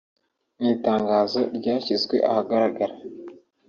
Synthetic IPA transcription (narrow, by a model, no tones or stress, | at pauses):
niːtaːŋɡaːzo̞ɾɟaːçizɡwe̞̰ʔahaɡaɾaɡaɾa